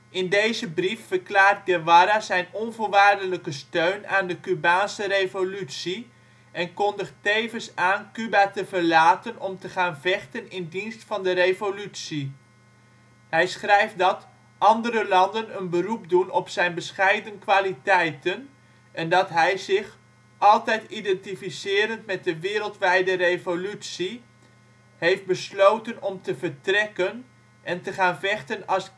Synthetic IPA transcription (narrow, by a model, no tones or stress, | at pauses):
ʔɪndejzəbrifːəɹklaːɹt̚ɡɛʋaɾazɛjnɔnvolˠʋaːrdələkəstøɥnaːndəkybaːnsərejvolytsi | ʔɛnkɔndəχtejvənsaːnkybatəvərlaːtənɔmtəχaːnvɛχtənɪndinstfɑndərejvolytsi | hɛjsχrɛjfdɑt | ʔɑndəɾəlɑndənənbərup̚dunɔpsɛjnbəsχɛjdənkʋaːlitɛjtən | ʔɛndɑtɦɛjzɪχ | ʔɑlˠtɛjtidɛntifisɪːɾəntmɛt̚dəʋɪːɾəlˠtʋɛjdərevolytsi | hejf̚bəslowtənɔmtəvəɹtrɛkən | ʔɛntəχaːnvɛχtənɑs